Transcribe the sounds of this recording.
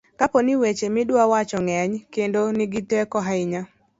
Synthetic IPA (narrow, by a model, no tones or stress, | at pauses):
kaponɪwet͡ʃemɪdwawat͡ʃɔŋɛɲkendonɪɡɪtwɛkɔɦaɪɲa